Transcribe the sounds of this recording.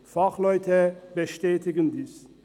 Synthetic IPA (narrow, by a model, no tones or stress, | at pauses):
faχlɔʏt̪ʰəbəʃtɛːt̪ʰɪɡənd̪iːs